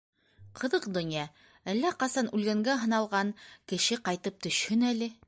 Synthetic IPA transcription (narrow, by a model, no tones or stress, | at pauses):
qʰɤ̆ðɤqd̪ŏnjɑ | ælːæqɑsɑnʉlɡæŋɡæɦɤ̆nɑlˠʁɑŋkɘ̆ʃɘqɑjt̪ɤp̚t̪ɵ̆ʃhɵnælɘ